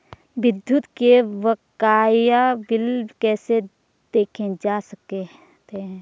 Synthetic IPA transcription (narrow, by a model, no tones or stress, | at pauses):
ʋɪd̪ʱːjut̪keʋɐkaːjabɪlkɛːse | d̪̥eːkʰẽd͡ʒaːsək̚e | t̪eɦɛ̃ː